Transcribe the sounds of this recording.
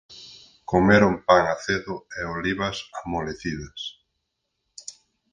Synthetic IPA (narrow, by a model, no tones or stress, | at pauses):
komeɾompaŋaθeðʊeoliβɐsamoleθiðɐs